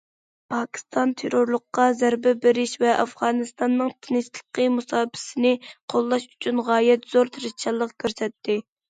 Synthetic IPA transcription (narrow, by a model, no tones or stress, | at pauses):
pʰɑkʲi̥st̪ɑnt̪ʰeɾoɾlˠʊqːɑzæɾbɪbɪɾɪʃvɛʔɑfʁɑːnɨst̪ɑnːɨŋt̪ʰunɨst̪ʰə̥qəmusɑːpʰɪ̥sɪnɪqʰolˠːɑʃy̥t͡ʃʰynʁɑːjɛt̪z̥oɾt̪ʰɪɾɪzt͡ʃʰɑlˠːəqkʲʰøɾsɛt̪ʰːɪ